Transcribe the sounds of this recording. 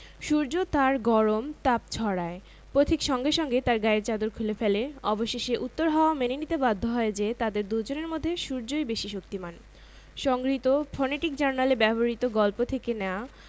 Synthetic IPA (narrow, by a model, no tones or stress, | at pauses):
ʃuɾd͡ʑot̪aɾɡɔɾomt̪ap̚t͡ɕʰɔɾae | pɾot̪ʰikʃɔŋɡeʃɔŋɡet̪aɾɡaeɾt͡ɕad̪oɾkʰulefeleɔboʃeʃeʔut̪ːoɾɦaoamenenit̪ebad̪ʱːoɦɔed͡ʑet̪ad̪eɾd̪ud͡ʑoneɾmod̪ʱːeʃuɾd͡ʑojbeʃiʃok̚t̪iman | ʃɔŋɡɾit̪ofɔneʈikd͡ʑaɾnalebɛboɾit̪oɡɔlpot̪ʰekenɛa